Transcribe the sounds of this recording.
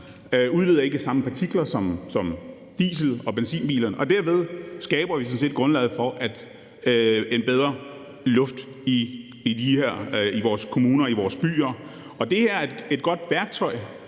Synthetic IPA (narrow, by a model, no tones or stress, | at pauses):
øuð̞ˠʋiðˠɐe̝ɡ̥əsɑ̈məpʰɑ̈t͡sʰiɡ̥lɐsɒ̽msɒ̽m | d̥ḭːsl̩ˠɒ̽b̥ensḭːnb̥ḭːlɐnəʔɒ̽d̥æɐʋe̝ð̞ˠsɡ̥ɛːb̥ɐʋis̬mnse̝̰ːd̥ɡ̥ʁɔ̽nlɛ̰ð̩ˠfɒ̽ʔæd̥ | e̝nb̥eð̞ˠʁɐ | lɔ̽fd̥ | iː | d̥iheɐ̰iʋɒːskʰo̝muːnɐiʋɒːsb̥y̰ːɐ | ʔɒ̽d̥e̝hæɐ̰de̝d̥̚ɡ̥ɒ̽d̥ʋæɐɡ̥̚t͡sʰɒ̽ɪ